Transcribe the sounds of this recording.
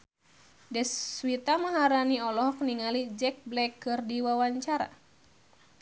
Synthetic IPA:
dɛsːwit̪amaɦaɾaniɔlɔɦɔkniŋalid͡ʒɛk̚blɛkʰːɨrdiwawaɲt͡ʃaɾa̰

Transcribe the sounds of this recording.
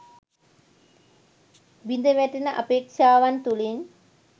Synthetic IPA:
bind̪əʋɛʈinəʔɐ̰peːkʃaːʋant̪ulin

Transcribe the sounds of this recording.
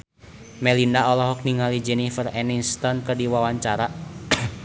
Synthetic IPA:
mɛlindaɔlɔɦɔk̚niŋalid͡ʒɛnifərɛninst̪ɔnkərdiwawaɲt͡ʃaɾa

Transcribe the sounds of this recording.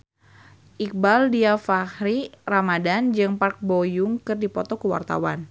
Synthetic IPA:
ʔik̚baldiafahɾiramadand͡ʒɨŋpark̚bojuŋkɨrdipɔt̪ɔkəwa̰rt̪a̰wan

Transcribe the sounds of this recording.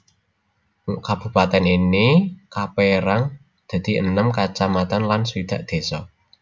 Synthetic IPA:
kab̥ṳpat̪ɛninikapeɾaŋ | d̪̥a̤d̪̥i̤ʔə̰nəmkat͡ʃamat̪anlansuwid̪̥a̤ʔd̪̥e̤sɔ

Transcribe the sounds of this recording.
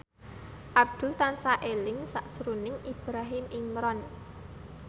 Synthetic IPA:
ʔab̚d̪̥ʊ̤lt̪ansaʔelɪŋsaʔd̥ʒ̥əɾunɪŋʔib̥ɾaɦɪmiŋɾɔn

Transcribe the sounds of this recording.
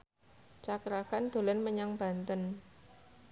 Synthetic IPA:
t͡ʃakɾakand̪̥o̤lənməɲaŋb̥a̤nt̪ən

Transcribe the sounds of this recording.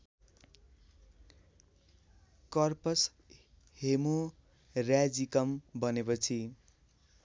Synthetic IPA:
kʌrpʌs | hemo | rjad͡zikʌmbʱʌnepʌt͡sʰi

